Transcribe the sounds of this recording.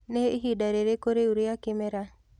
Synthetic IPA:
neɦidaɾeɾekoɾeuɾeakɪmɛɾa

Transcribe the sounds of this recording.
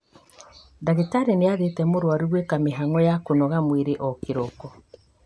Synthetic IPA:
daɣitaɾeneaðetɛmoɾwaɾiɣwekameɦaŋɔjakonɔɣamweɾeʔɔkiɾɔkɔ

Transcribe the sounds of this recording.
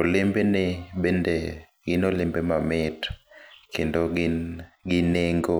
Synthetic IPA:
olɪmbenɪbende | ɡɪnolɪmbemamɪtkendo | ɡɪneŋɡo

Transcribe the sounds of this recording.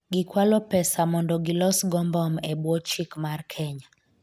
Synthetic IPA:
ɡikwalɔpɛsamɔndɔɡilɔsɡɔmbɔmɛbwɔt͡ʃikmarkʰɛɲa

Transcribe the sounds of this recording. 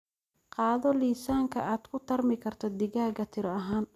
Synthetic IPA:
qɑːðɔliːsaːŋkʰɐ̰ʔaːd̪kʰʊt̪ʰɐrmɪkʰɐrt̪ʰɔd̪ɪɣaːɣɐt̪ʰɪɾɔɐɦaːn

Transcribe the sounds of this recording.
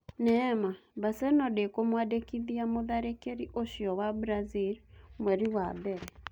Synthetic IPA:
nɛmaβasɛnɔdekomwadekiðiamoðaɾekeɾiʔoʃjɔwabuɾazilmwɛɾiwabɛɾɛ

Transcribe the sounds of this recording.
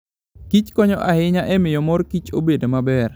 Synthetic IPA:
kit͡ʃkɔɲɔʔaɪɲaʔɛmɪjɔmɔrkit͡ʃobedomabɛr

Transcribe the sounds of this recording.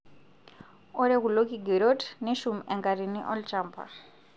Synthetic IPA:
ɔɾeɣulokiɡeɾotneʃumɛŋɡaɾiniʔɔlt͡ʃʼampʰa̰ɾ

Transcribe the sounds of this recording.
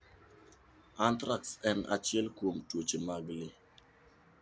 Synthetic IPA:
antɾaksɛnʔa̰t͡ʃjɛlkwomtwot͡ʃemaɡle

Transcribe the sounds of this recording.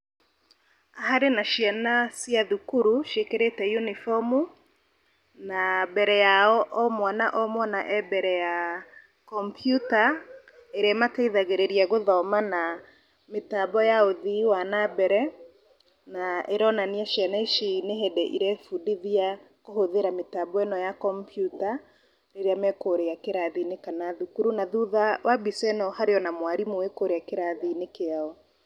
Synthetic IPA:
ahaɾenaʃianasijaðukuɾuʃekeɾetɛjunifɔmu | nabɛɾɛjaɔʔɔmwanaʔɔmwɔnaʔɛbɛɾɛja | kɔmpjuta | eɾeamateiðaɣeɾeɾiaɣoðɔmana | metabɔjaoðiwanabɛɾɛ | naeɾɔnaniaʃjaneʃineɦɛdɛʔiɾɛfudiðia | kohoðeɾametabɔɛnɔjakɔmpʰjuta | ɾeɾeamɛkoɾejakeɾaðinekanaðukuɾunaðuðawʔabisɛnɔhaɾeɔnamwaɾimoekoɾejakeɾaðinekeaɔ

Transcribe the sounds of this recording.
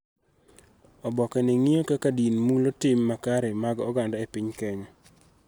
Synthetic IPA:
ɔbɔkɛnɛŋiokakadinmulotɪmːakaɾɛmaɡɔɡandaepiɲkɛɲɔ

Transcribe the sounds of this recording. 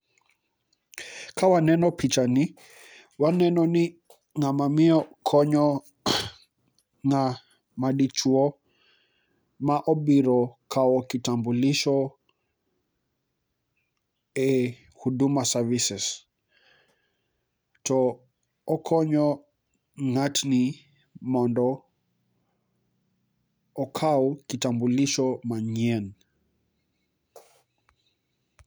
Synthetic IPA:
kawanɛnɔpʰit͡ʃani | wanɛnɔni | ŋamamiɔkʰɔɲɔ | ŋa | maɗit͡ʃuɔ | maʔɔɓiɾɔkʰaɔkitambuliʃɔ | ɛ | huɗumasavisɛs | tɔ | ɔkʰɔɲɔ | ŋatni | mɔndɔ | kʰaɔkitambuliʃɔmaɲɛn

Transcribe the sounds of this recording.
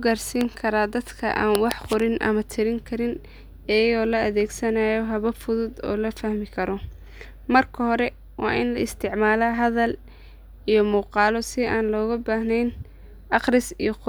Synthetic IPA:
ʊɡaːrsiːŋkʰɐɾaːd̪ɐd̪kʰɐ̰ʔa̰ːnwɑħqʊɾɪnʔɐ̰mɐt̪ʰɪɾɪŋkʰɐɾɪn | ɛːjɣɔːlɐɐðɛːɡsɐnaːjɔɦɐβɐfʊðʊd̪ɔ̰ːlɐfɐhmɪkʰɐɾɔ | mɐrkʰɐɦɔɾɛ | wɑ̰ːʔɪnlɐɪst̪ʰɪʕmaːlaːɦɐðɐl | ijɔmuːqɑːlɔsɪaːnlɔːɣɐbaːhnɛjn | ʔɑqrɪsijɔqʊ

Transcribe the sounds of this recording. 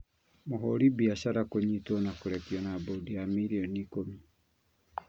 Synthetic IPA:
moɦɔɾibiaʃaɾakoɲitwɔnakoɾɛpjɔnabodiamiɾiɔnikomi

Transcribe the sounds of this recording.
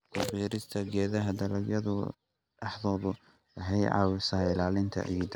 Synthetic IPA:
kʊfiːɾɪst̪ʰɐɡɛːðɐɦɐd̪ɐlɐɡjɐðʊ | ɐħðɔːðʊ | ɐɦɛjʕɑ̰ːwɪsɐɪlaːlɪnt̪ʰɐ̰ʔḭjd̪

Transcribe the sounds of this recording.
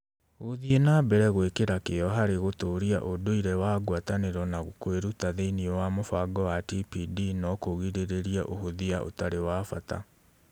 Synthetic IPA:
ɣoðienabɛɾɛɣwekeɾakejɔɦaɾeɣotoːɾiaʔodoiɾɛwaːɡwataneɾɔnaɣokweɾutaðeiniɔwamofaɡɔwatipidinɔkoɣiɾeɾeɾiaʔohoðiaʔo̰taɾewaːfa̰ta̰

